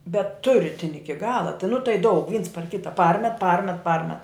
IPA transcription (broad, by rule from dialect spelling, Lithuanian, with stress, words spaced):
bʲɛt tʊ ˈrʲɪtʲɪnʲɪ ˈɪkʲɪ ˈɡɑːlˠɐ tɐɪ nʊ tɐɪ dɐʊk ʋʲiːns pɐr ˈkʲɪtɐ ˈpɐrʲmʲɛt ˈpɐrʲmʲɛt ˈpɐrʲmʲɛt